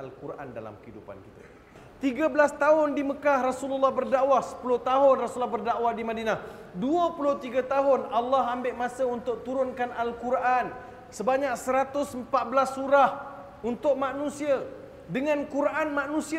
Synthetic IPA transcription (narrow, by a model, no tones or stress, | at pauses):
alkurʔa̰nda̰la̰mkəidupa̰nkit̪a̰ | t̪iɡabəlast̪aɦʊndiməkahrasululːahbərdaʔwahsə̥pulʊht̪aɦʊnrasulːahbərdaʔwahdimadinah | duəpulʊht̪iɡat̪aɦʊnalːaɦambɪʔmasaunt̪ʊk̚t̪uɾʊnkanʔalkurʔan | səbaɲak̚səɾat̪ʊsəmpat̪̚bəlasːuɾah | unt̪ʊk̚mãnũsia | dəŋãnkuɾʔanmaʔnũsi